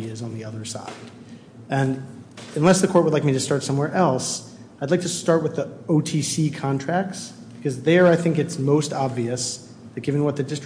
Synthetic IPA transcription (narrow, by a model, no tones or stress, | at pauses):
ɪzn̩ðiʌðə˞sa̰ɪd | ɨ̃nɨ̃nlɛsðɨkʰɔɹt̚wədˡlaɪk̚miɾɨstɑɹtsʌ̃mwɛɹʔɛlˠs | aɪdˡlaɪk̚tʰɨstɑɹt̚wɨðioʊtʰisikʰɑ̃ntʰɹ̥æk̚ts | b̥ɨkʰʌzðə˞aɪθɪ̃ŋkɨtsmoʊstɑbviɨs | ðɨt̚ɡ̥ɪvɨ̃nwʌt̪̚ðɨdɪst